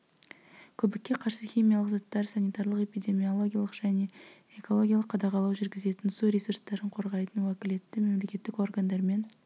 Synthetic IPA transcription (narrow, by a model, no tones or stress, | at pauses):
kʲʰɵbɪkʲːe̞qʰɑɾsəxʲijmʲijalˠəqzɑt̪ːɑɾsɑnijt̪ɑɾlˠəqe̞pijd̪ʲe̞mijo̞lˠo̞ɡʲijalˠəqʒ̥æne̞ | ekolˠo̞ɡʲijalˠəqʰːɑd̪ɑqɑlˠɑwʒʏɾɡʲɪze̞t̪ɪnsuɾesuɾst̪ɑɾəɴqʰo̞ɾʁɑjt̪ənwækʲɪle̞t̪ːɪme̞mle̞kʲe̞t̪ːɪko̞rɡand̪ɑɾme̞n